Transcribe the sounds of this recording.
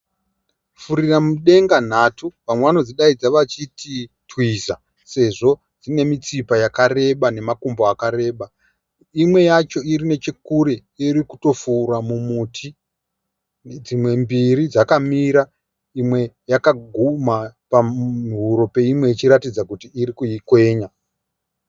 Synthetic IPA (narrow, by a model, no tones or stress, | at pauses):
fuɾiramuɗe̞ŋɡan̤atʰuʋamweʋano̞d͡ziɗaid͡zaʋat͡ʃiti | twiza | se̞ʐo̞ | d͡zine̞mit͡sipajakare̞ɓane̞makomboakaɾe̞ːɓa | imwe̞jat͡ʃo̞iɾine̞t͡ʃekuɾejiɾikuto̞fuːɾamumuːtʰi | d͡zimwe̞mbiɾid͡zakamiɾa | imwe̞jakaɡʱumapaiɦuɾo̞pe̞imwe̞it͡ʃiɾatid͡zakutiːɾikujikwe̞ːɲa